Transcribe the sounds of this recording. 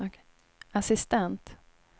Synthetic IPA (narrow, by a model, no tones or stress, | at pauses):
asɪst̪ɛnt̪